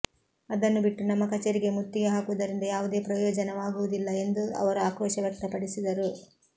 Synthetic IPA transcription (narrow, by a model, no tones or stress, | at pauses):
ɐd̪ɐnːubiʈːunɐmːɐkɐt͡ʃːeɾiɡe̞mut̪ːijɐɦaːkuʋud̪ɐɾind̪ɐjaːʋud̪e̞ːpɾɐjɔːd͡ʒɐnɐʋaːɡuʋud̪ilːɐe̞nd̪uɐ̰ʋɐɾuaːkʋɔːʃɐʋjɛk̚t̪ɐpɐɽisid̪ɐɾu